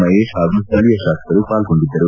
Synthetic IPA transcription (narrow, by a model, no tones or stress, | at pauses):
mɐjeːʃɦaːɡust̪ʰɐlijɐʃaːsk̪ɐɾupaːlɡoɳɖid̪ːɐɾu